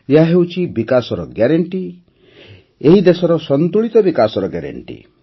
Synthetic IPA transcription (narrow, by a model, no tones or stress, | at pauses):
jeɦaɦewt͡ʃʰibikasɔɾɔɡjaɾeɳʈi | eɦid̪esɔɾɔsɔnt̪uɭit̪ɔbikasɔɾɔɡja̰ɾḛɳʈḭ